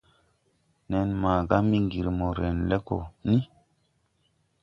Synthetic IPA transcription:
nɛ˨nma˨ɡa˦mi˦ŋɡi˨ɾmo˨ɾe˨nle˦ko̰˨ni˦

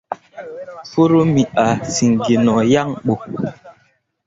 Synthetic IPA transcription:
fo˦ɾo˦mi˨a˨si˨ŋɡi˨nɔ˨ja˦ŋɓo˨

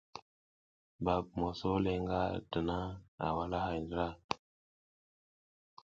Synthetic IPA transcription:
ba˨b̚mo˨so˦le˨ŋɡa˦də˨na˦a̰˨wa˦la˦ɦa˨jndə˦ɾa˦˨

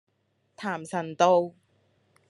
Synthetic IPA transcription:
t̪ʰaː˨˩msɐ˨˩nt̪o˧w

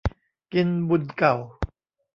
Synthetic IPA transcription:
ki˧nbu˨˩nka˨˩w

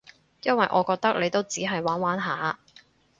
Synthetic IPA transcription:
jɐ˥nwɐ˨jʔɔ̰ː˨˧kɔː˧k̚t̪ɐ˥k̚le˨˧jt̪o˥wt͡siː˨˥ɦɐ˨jwaː˨˥nwaː˨˥nɦa̰ː˨˧

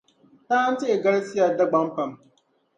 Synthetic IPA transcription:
taː˦ʔa˦nt͡ʃeː˦˨ɡɐ˦ɽsɪ˦jaː˨da˦ɡ͡bɐ˦mɸɐ˨m

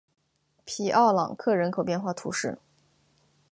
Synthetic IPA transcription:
pʰi˨˩ʔɑ˥˩ʊlɑ̰˨˩ŋkʰɤ˥˩ɻə˧˥nkʰo˨˩ʊpjɛ˥˧nxwa˥˩t̪ʰṵ˧˥ʂɻ̩˥˩

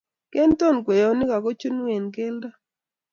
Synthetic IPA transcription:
kɛ˦nto˦˨nkwe˨jo˨nɪ˦ka˨ko˦t͡ʃu˦n˦we˨nke˦lda˦

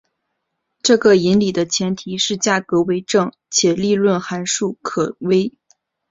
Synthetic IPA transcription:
ʈ͡ʂɤ˥˩ɡə˩i˧˥nli˨˩d̪ə˦t͡ɕʰjɛ˧˥nt̪ʰi˧˥ʂɻ̩˥˧t͡ɕja˥˩kɤ˧˥we˧˥ɪʈ͡ʂɤ˥˩ŋ | t͡ɕʰjɛ˨˩li˥˧lwə˥˩nxa˧˥nʂu˥˩kʰɤ˨˩we˥ɪ

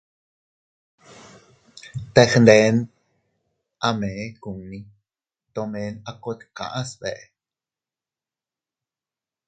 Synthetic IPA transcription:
t̪exnd̪ɛ˨˦n | ʔa˧me˨ku˨ŋni˦ | t̪o˧mɛː˨˦nako˧t̪ka̰˨ʔa˦sbɛ̰˨ʔ

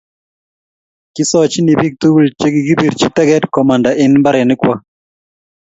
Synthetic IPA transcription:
kɪ˦sɔ˦t͡ʃni˨bi˦k̚t̪u˦wu˦˨lt͡ʃe˦ɡɪ˨ɡɪ˦bi˨dt͡ʃi˦t̪ɛ˦ɡɛ˦dkɔ˨ma˨nda˨ʔɪ˦nmba˦ɾɛ˨nɪ˦kwa˦

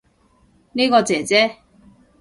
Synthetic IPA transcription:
niː˥kɔː˧t͡sɛː˨˩t͡sɛː˥

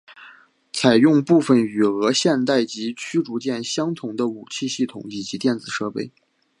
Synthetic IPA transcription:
t͡sʰa˨˩ɪjʊ˥˧ŋpu˥˩fə˨˩ny˨˩ɤ˧˥ɕjɛ˥˧nt̪a˥˩ɪt͡ɕi˧˥t͡ɕʰy˥ʈ͡ʂu˧˥t͡ɕjɛ˥˩nɕjɑ˥ŋt̪ʰʊ˧˥ŋd̪ə˧u˨˩t͡ɕʰi˥˧ɕi˥˩t̪ʰʊ̰˨˩ŋi˨˩t͡ɕi˧˥t̪jɛ˥˩nd͡zɹ̩˨˩ʂɤ˥˧pe˥˩ɪ

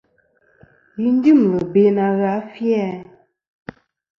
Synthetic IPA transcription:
ji˦n˦di˦˨m˨lə˨be˨˦na˨ɣa˨˦fjɛ˦˨

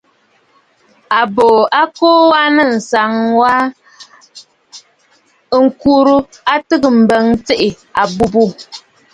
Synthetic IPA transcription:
a˨boː˨a˦koː˦wa˦nɨ˦˨n̩˨sa˨ŋwa˦ | ŋ̩˨ku˦ɾu˦ | a˦tɨ˦ɣɨ˨m̩˨bə˨˦ŋt͡se˦ʔɪ˨ | a˨bu˦bu˦˨

